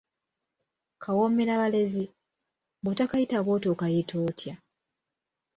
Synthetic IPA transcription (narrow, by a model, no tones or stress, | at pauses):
kʰawomeɾaβale̞zi | botakajitaβoːtokajitʰoːtʰja